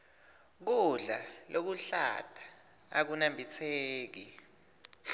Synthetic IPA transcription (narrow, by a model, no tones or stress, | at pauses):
k̬uɮa̰lʔok̬uɬa̰tʰʼḁ̰ː | k̬unambʱit͡sʰeːk̬i